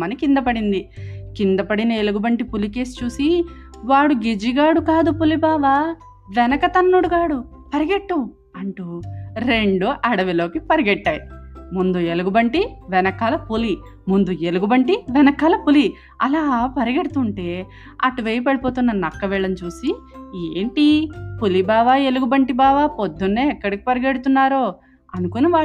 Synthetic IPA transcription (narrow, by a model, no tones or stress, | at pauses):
mɐnikind̪ɐpɐɽind̪ikind̪ɐpɐɽinɐeluɡubɐɳʈipulikeːst͡ʃuːsi | ʋaːɽuɡed͡ʒiɡaːɽukaːd̪upulibaːʋaː | ʋɛnɐkɐt̪ɐnːuɽuɡaːɽu | pɐɾiɡeʈːu | ɐɳʈuɾe̞ɳɖuʔɐɽɐʋilo̞ːkipɐɾiɡeʈːaːjimund̪ueluɡubɐɳʈiʋɛnɐkaːlɐpuli | mund̪ueluɡubɐɳʈiʋɛnɐkaːlɐpuli | ɐlaːpɐɾiɡeɽut̪uɳʈe̞ː | ɐʈuʋejɐp̬eɽipo̞ːt̪unːɐnɐkːɐʋɛɭɐnt͡ʃuːsieːɳʈipulibaːʋaːe̞luɡubɐɳʈibaːʋaːpod̪ːunːeːɛkːɐɽiki̥pɐɾiɡeɽut̪unːaːɾoː | ɐnukuniʋaː